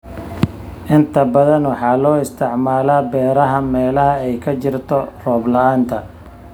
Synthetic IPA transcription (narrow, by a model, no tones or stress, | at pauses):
ʔɪnt̪ʰɐbɐðɐnwɑħɑːlɔːɪst̪ʰɪʕmaːlaːbɛːɾɐɦɐmɛːlɐɦɐɛjkʰɐt͡ʃɪrt̪ʰɔrɔːblɐaːnt̪ʰɐ